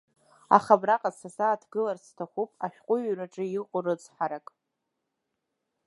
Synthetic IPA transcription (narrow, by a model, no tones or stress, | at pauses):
a̰χabraqʼazsasaːtʰɡɨlarstʰaχʷupʼaʃʷᶣqʷʼʊɥraʈ͡ʂʼɨɪqʷʼʊrɨt͡sʼħaɾakʼ